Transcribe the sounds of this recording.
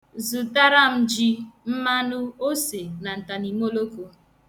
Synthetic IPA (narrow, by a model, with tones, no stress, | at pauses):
zu˨ta˦ɾa˦˨m̩˦d͡ʒi˦m̩˦ma˦nu˦o˦se˨na˨n̩˨ta˨ni˨mo˦lo˦ko˦